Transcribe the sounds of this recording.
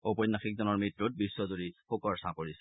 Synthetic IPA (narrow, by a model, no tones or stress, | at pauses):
opɔnːaxik̚zɔnɔɹmɹitɹut̚bisːɔzoɹixukɔɹsãkoɹisɛ̥